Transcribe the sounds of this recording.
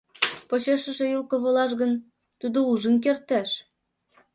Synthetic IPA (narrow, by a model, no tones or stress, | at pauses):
poɕeʃə̆ʃĕjulkŏβɤ̆lɑʃɣə̆n | t̪ud̪ouʒə̆nk̬ert̪æʃ